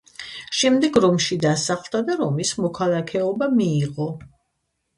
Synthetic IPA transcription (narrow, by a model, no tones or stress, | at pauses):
ʃɛmd̪ɛɡɾɔmʃid̪asaχlˠt̪ad̪aɾɔmismɔkʰalˠakʰɛɔbamiːʁɔ